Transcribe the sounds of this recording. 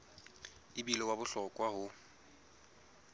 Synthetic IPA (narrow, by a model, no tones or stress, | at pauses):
ɪbilɔwabʊɬɔkʼwahʊ